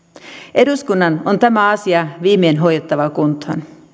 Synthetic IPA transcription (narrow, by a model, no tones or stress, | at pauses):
ʔe̞duskunːɑnont̪æmæɑsiɑʋiːmeːnɦo̞jjet̪ːɑʋɑkunt̪ho̰n